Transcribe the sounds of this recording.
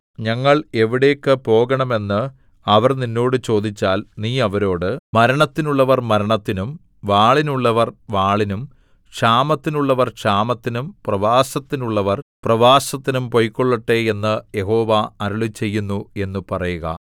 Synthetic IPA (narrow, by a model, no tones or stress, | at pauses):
ɲɐŋːɐɭe̞ʋiɽe̞ːkːɨpo̞ːɣɐɳɐme̞nːɨ | ɐʋɐrninːo̞ːɽɨt͡ɕo̞ːd̪it͡ɕːaːlniːɐʋɐɾo̞ːɽɨmɐɾɐɳɐt̪ːinuɭːɐʋɐrmɐɾɐɳɐt̪ːinum | ʋaːɭinuɭːɐʋɐrʋaːɭinum | ʂaːmɐt̪ːinuɭːɐʋɐrkʂaːmɐt̪ːinumprɐʋaːsɐt̪ːinuɭːɐʋɐrprɐʋaːsɐt̪ːinumpo̞jkːoɭːɐʈːeːe̞nːɨje̞ɦo̞ːʋaɐɾuɭit͡ɕːe̞jːunːue̞nːupɐrɐjuɣɐ̰